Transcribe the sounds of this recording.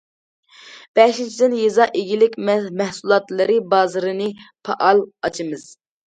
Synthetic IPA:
b̥ɛʃint͡ʃʰid̪ɪnjezɑʔeɡʲilɪkʲmmɛhsulˠɑt̪lˠɨɾɨbɑːzɨɾɨnɨpʰɑʔɑlˠɑt͡ʃʰɨmɨz̥

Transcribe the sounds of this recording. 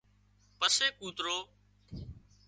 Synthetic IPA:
pəseːkuːt̪ɾoː

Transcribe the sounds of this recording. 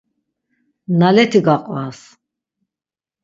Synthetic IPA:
nalɛt̪ʰiɡaqʼvas

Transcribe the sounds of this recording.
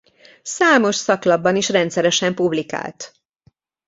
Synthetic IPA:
saːmo̞ʃsɒklɒbːɒniʃrɛnt̪sɛɾɛʃɛmpublika̰ːlt̪

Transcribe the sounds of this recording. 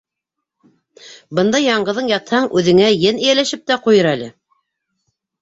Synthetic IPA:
bɤnd̪ɑjːɑɴɢɤ̆ðɤɴjɑt̪hɑɴʔʉðɘ̆ŋæjɘnɘ̆jælæʃɘp̚t̪æqujɤɾælɘ

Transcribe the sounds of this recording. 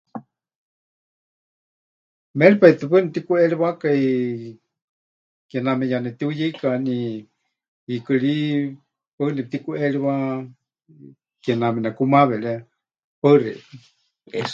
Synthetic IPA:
mɛlipait̪ɨpənipt̪ikuɛɺiβakai | kɛnamɛjanɛt̪iujeikani | ikɨɺi | pənɛt̪ikuɛɺiβa | kɛnamɛnakumaβɛɺɛ | pərɛ̰

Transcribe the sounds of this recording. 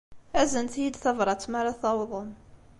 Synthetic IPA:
æzənt̪jid̪θɑvɾˤɑt͡sːmaɾˤaθɑwðˤəm

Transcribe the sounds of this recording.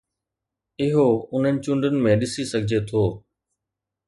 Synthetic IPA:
ɪɦoʊn̤ənɪ̆t͡ɕʊ̃ɳɖənɪ̆mẽɗɪsisɐɡʱɪd͡ʑet̪ʰoː

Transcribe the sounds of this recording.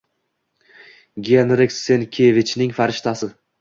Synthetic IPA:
ɡʲenɾɪkʲsenkʲʰevɪt͡ʃnɪŋfaɾɪʃt̪ʰasɪ

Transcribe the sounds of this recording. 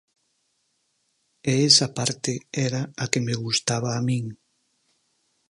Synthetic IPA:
eesapaɾt̪eɛɾaakemeɣust̪aβaːmĩŋ

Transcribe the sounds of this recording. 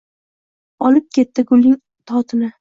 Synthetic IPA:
ɒlɪp̚kʲe̞t̪ːɪɡʊlːɪŋ | t̪ʰɒt̪ʰɪnɪ

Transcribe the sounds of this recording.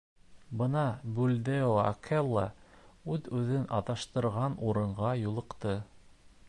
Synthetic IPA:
bɤnɑbʉld̪eoa̰kʰelˠːɑʉðʉðɘnʔɑðɑʃt̪ɤ̆ɾʁɑnuɾɤ̆ɴʁɑjulˠɤ̆qt̪ɤ

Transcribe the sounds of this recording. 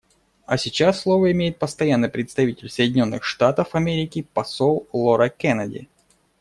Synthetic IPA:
ɐsʲɪt͡ɕasːlˠovəɪmʲejɪt̪̚pəst̪ɐjanːɨjpɾʲɪt̪st̪ɐvʲitʲɪlʲsəjɪdʲɪnʲo̞nːɨxʂt̪at̪əfɐmʲeɾʲɪkʲɪpɐsolˠlˠoɾəkɛnɐdʲɪ̰

